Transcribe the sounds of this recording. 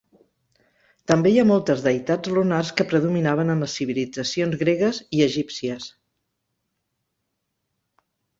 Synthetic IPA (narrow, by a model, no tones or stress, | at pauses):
t̪əmbejamɔlˠt̪əzðəjt̪ad͡zlunarskəpɾəðuminaβ̞ənəmləsːiβ̞ilid͡zəsionzɣɾeɣəziəʒipsiəs